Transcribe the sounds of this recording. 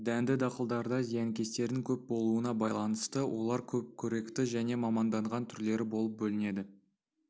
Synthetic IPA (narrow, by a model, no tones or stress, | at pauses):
d̪ænd̪ɪd̪ɑqəlˠd̪ɑɾd̪ɑzijɑŋkʲe̞st̪e̞ɾd̪ɪŋkʲʰɵp̚bo̞lˠuənɑbɑjlˠɑnəst̪əwʔo̞̰lˠɑɾkʲʰɵp̚kʲʰɵɾe̞kt̪ɪʒæne̞mɑmɑnd̪ɑɴʁɑnt̪ʰʏɾle̞ɾɪbo̞lˠəp̚bɵlɪne̞d̪ɪ